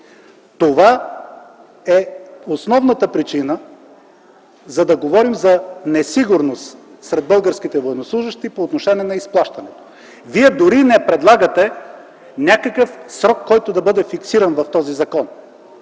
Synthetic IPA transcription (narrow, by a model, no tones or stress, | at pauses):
t̪ova | ɛosnɔvnət̪əpɾit͡ʃinə | zɐd̪ɐɡovɔɾimzɐnɛsiɡʊɾnost̪ | sɾɛd̪̚bɤlˠɡəɾsk̟it̪ɛvojɛnoslˠuʒəʃt̪ipoːt̪noʃɛnʲiɛnɐisplˠaʃt̪ɐnɛt̪o̥ | viɛd̪oɾinɛpɾɛd̪lˠaɡət̪ɛ | nʲakəkəfsɾɔkːɔjt̪od̪ɐbɤd̪ɛfiksiɾɐnvɐft̪ɔzizɐkɔn